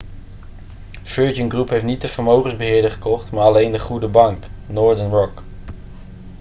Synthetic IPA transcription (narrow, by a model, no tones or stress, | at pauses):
føːɹd͡ʒənɡrupɦejftnit̚dəv̥əɹmowχənzbəɦɪːɹdəχə̥kɔχtmaːɹɑlejndəχudəbɑŋknɔːɹdənɹɔk